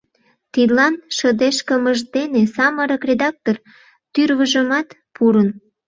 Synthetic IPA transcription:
t̪id̪lɑnʃəd̪eʃkəməʒd̪enesɑməɾəkrʲed̪ɑk̚t̪or | t̪yrβəʒəmɑt̪ | pʰuɾən

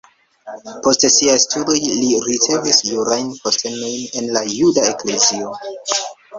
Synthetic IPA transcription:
po̞stsiajstudo̞jliɾit͡se̞visjuɾajnposte̞no̞jne̞nlajudae̞kle̞zio̞

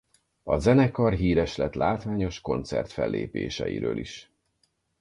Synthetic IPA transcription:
ɒzɛnɛkɒrɦiːɾɛʃlɛt̪laːt̪ʋaːɲo̞ʃko̞nt̪sɛ̰rt̪fɛlːeːpeːʃɛjiɾøːlʔiʃ

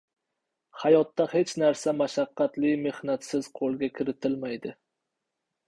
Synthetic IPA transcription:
hajɒt̪ːahe̞t͡ʃnaɾsamaʃaqːɑt̪lɪme̞hnat̪sɪz̥qʰolˠɡʲakʲʰɪɾɪt̪ʰɪlmajd̪ɪ

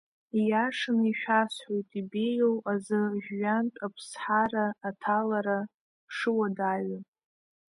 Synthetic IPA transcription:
ijaʂɨniʃᶣasħʷojtʼibejowazɨʒɥantʼapʰsħaɾaːtʰalaɾa | ʂɨwadaɥa

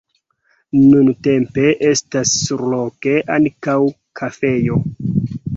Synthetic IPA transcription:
nunte̞mpe̞ʔe̞stasːuɾlo̞ke̞ʔankaw | kʰafe̞jo̞

